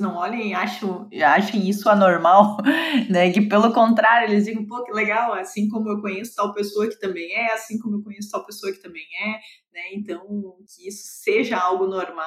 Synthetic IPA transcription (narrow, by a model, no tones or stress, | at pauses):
nɐ̃w̃ɔʎɐ̃j̃aʃɐ̃w̃ | aʃɐ̃j̃isʊanoɾmawnɛkɪpelʊkõnt̪ɾaɾjʊelɪzd͡ʒizɐ̃w̃pokɪleɡawasĩkõmʊewkõɲesʊ̥t̪awpesoɐkɪ̥t̪ɐ̃mbẽj̃ɛasĩkõmʊewkõɲ̃es̬ʊ̥t̪awpesoɐkɪ̥t̪ɐ̃mbẽj̃ɛnɛẽnt̪ɐ̃w̃kɪisʊ̥seʒɐawɡʊnoɾma